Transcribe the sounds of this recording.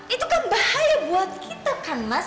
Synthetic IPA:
ʔit̪ukanbahajabuat̪̚kit̪akanma

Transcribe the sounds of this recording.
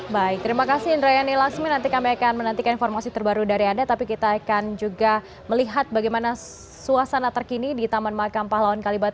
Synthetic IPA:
baɪk̚t̪əɾimakasindɾajanilaksʊŋɲanant̪ikamiakanmənənt̪ikaninfɔrmasit̪ərbaɾudaɾiandat̪apikit̪aːkand͡ʒuɡa | məliɦat̪̚baɡajmana | suasanat̪ərkinidit̪amanmakampalawankalibat̪̚

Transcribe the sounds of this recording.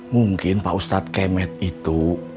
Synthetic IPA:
muŋkɪnpa̰ʔust̪at̪̚kɛmɛt̪̚it̪u

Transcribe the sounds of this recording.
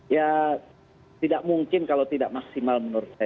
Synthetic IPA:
ja | t̪idaʔmuŋkɪnkalot̪idaʔmaksimalmənursa

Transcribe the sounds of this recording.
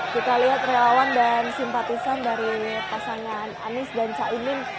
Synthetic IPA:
kit̪aliɦat̪̚relawandansimpat̪isandaɾipasaŋananɪsdant͡ʃainɪn

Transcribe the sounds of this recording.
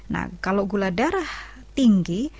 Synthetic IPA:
na̰kaloɡuladaɾah | t̪iŋɡi

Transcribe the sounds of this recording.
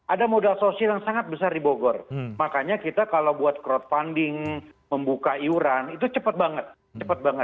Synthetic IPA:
ʔadamodalsosialjaŋsaŋat̪̚bəsardiboɡɔrmakaɲakit̪akalobuat̪̚kɾɔt̪̚fandɪŋ | məmbukaiuɾanit̪ut͡ʃəpət̪̚baŋət̪̚ | t͡ʃəpət̪̚baŋət̪

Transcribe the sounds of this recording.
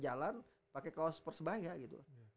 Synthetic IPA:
d͡ʒalan | pakekaaspərsəbaɦiaɡit̪ṵ

